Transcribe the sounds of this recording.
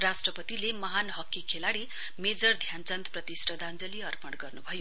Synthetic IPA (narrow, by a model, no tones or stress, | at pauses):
rasʈrʌpʌt̪ilemʌɦanɦʌkːikʰelaɽi | med͡zʌrd̪ʱjant͡sʌnt̪prʌt̪isʈʰʌd̪ʱand͡zʌliʌrpʌɽɡʌrnubʱʌjo